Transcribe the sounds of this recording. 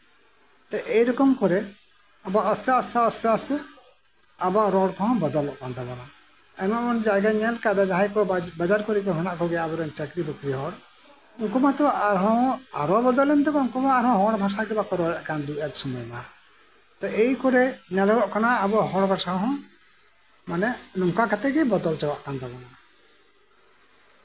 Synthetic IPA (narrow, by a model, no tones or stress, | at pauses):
t̪ɛʔejɾɔkɔmkɔɾɛ | abaʔəst̪ɛəst̪ɛəst̪ɛəst̪ɛ | abaɾɔɽkɔɦɔ̃bɔd̪ɔlɔʔband̪abana | ɛmaʔmɔnd͡ʒaɡaɲɛlkad̪ad͡ʒaɦajkɔbad͡ʒaɾkɔɾikɔɦɔnaʔkɔɡɛabɔɾɔɲt͡ʃɛkɾibɔkɾiɦɔɽ | uŋkɔmãt̪ɔʔaɾɦɔ̃aɾɔbɔd̪ɔlɛnd̪ɛɡɔuŋkɔmaaɾhɔ̃ɦɔɽbʱasaɡɛbakɔɾɔɾɛʔkand̪uʔɛlsumɔjma | t̪ɔʔejkɔɾɛɲalɔɡɔʔkanaːbɔɦɔɽbʱasaɦɔ̃ | manɛnɔmkakat̪ɛɡɛbɔd̪ɔlt͡ʃawaʔkand̪abɔna